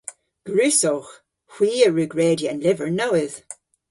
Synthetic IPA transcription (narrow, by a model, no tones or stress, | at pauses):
ɡ̥ɹʉːsoːx | hw̥iːəɹʉːɡɹeːdiənlɪvəɹnowɪð̥